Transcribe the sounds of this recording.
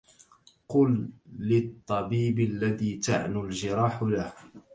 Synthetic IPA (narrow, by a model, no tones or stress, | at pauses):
qʊlːɪt̪ˤːɑbiːbalːaðiːt̪a̰ʕnʊlʒɪɾˤɑːħlah